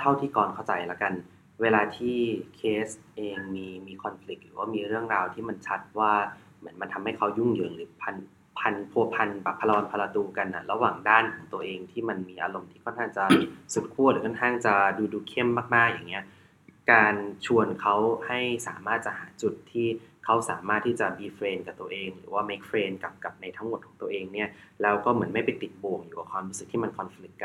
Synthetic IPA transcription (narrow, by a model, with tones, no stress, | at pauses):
t̪ʰa˥˩wt̪ʰiː˥˩kɔː˨˩nkʰa˥˩wt͡ɕa˨˩jla˦˧˩ka˧n | weː˧laː˧t̪ʰiː˥˩kʰeː˦˥sʔeː˧ŋmiː˧miː˧kʰɔ˧nfli˨˦˩k̚lɯː˩˦waː˥˩miː˧ɾɯ˥˩əŋɾaː˧wt̪ʰiː˥˩ma˧nt͡ɕʰa˦˥t̪̚waː˥˩ | mɯ˩˦nma˧nt̪ʰa˧mha˥˩jkʰa˦˥wju˥˩ŋjɯː˨˩˦lɯː˨˦pʰa˧n | pʰa˧npʰu˧ɐpʰa˧nbɛ˨˩pʰa˧la˧ɔː˧npʰa˧la˧t̪uː˧ka˧nːa˧˩la˧waː˨˩ŋdaː˥˩nkʰɔː˩˦ŋt̪u˧əʔeː˧ŋt̪ʰiː˥˩ma˧nmiː˧ʔa̰ː˧lo˧˩mt̪ʰiː˥˩kʰɔ˥˨nkʰaː˥˩ŋt͡ɕa˧˩su˨˩t̪̚kʰu˥˩˨lɯː˨˦kʰɔ˥nŋkʰaː˥˩ŋt͡ɕa˨˩duː˧duː˧kʰe˥˩mːaː˥˩k̚maː˥˩k̚jaː˨˩ŋːi˦˥ɐ | kaː˧nt͡ɕʰu˧ənkʰa˦˥wha˥˩jsaː˨˩˦maː˥˩t̪̚t͡ɕa˨haː˩˦t͡ɕu˨˩t̪ʰːiː˥˩kʰa˦˥wsa̰ː˨˩˦maː˥˩t̪ʰːiː˥˩t͡ɕa˨˩biː˧fɾeː˧nka˨˩t̪u˧ə˧ʔeː˧ŋɾɯ̰ː˩˦waː˥˩meː˦˥k̚fɾeː˧nka˨˩p̚ka˨˩p̚na˧jt̪ʰa˦˥ŋmo˨˩t̪̚kʰɔː˩˦t̪u˧əʔeː˧ŋni˥˩ɐlɛː˦˥wkɔː˥˩mɯ˩˦ənma˥˩jpa˧nt̪i˨˩t̪̚boː˧˩ŋjuː˨˩a˨˩kʰɔː˧nbuː˦˥sɯ˨˩k̚t̪ʰiː˥˩ma˧nkʰɔ˧nfli˨˦˩k̚ːa˧